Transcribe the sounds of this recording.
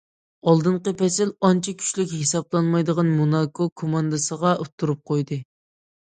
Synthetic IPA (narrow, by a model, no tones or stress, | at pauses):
ɑlˠd̪ɨɴqəpʰɛsɪlɑnt͡ʃʰikʲʰy̥ʃlykʲhesɑblˠɑnmɑjd̪əʁɑnmunɑkʰokʰomɑnd̪ɨsəʁɑut̪ʰːuɾup̚qʰojd̪ɨ